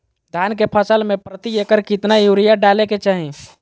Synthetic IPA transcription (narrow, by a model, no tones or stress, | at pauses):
d̪ʱjankepʰəsəlmẽpɾət̪iekəɾkɪt̪najuɾijaɖaleket͡ʃaɦĩ